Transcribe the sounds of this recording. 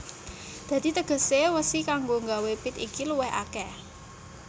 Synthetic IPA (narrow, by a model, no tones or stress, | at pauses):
d̪̥ä̤d̪̥i̤t̪əɡ̥ə̤sewəsikaŋɡoŋɡawepɪt̪ḭkiluwɛha̰kɛ